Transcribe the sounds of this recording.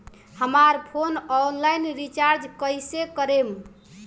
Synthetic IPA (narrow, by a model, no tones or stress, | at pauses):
həmaɾpʰonɔnlajnɾit͡ʃaɾd͡ʒkəsekəɾem